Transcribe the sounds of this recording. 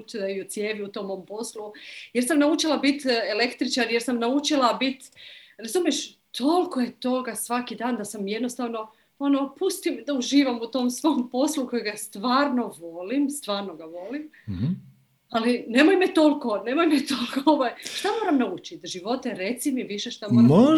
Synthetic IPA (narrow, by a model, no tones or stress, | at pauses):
t̪iot̪sje̞ːʋiut̪o̞ːmːoːmpo̞slujeɾsamnaut͡ʃilˠabit̪ele̞kt̪ɾit͡ʃaɾje̞ɾsamnaut͡ʃilˠabit̪ɾazuːmjeʃ | t̪ʰo̞lkoje̞t̪o̞ɡasʋakid̪aːnd̪asamje̞d̪nost̪aʋno̞ | o̞nopust̪imd̪auʒiːʋamut̪o̞ːmsʋompo̞slˠuko̞jiɡast̪ʋaːɾno̞ʋo̞limst̪ʋaːɾnoɡaʋo̞lim | aline̞mojmet̪o̞lko̞ne̞mojmet̪olkooʋajʃt̪amo̞ːɾamnaut͡ʃit̪ʒiʋo̞t̪eɾe̞t̪simiʋiʃe̞ʃt̪amoːɾa